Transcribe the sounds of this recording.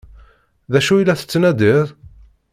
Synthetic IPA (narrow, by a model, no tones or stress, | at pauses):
ðæʃujlːæθə̥t͡sːnæd̪iðˤ